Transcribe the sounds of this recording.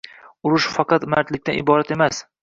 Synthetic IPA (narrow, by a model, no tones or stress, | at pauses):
ʊɾʊʃfɑqɑt̪maɾt̪lɪk̚ʲt̪anɪbɒɾat̪e̞mas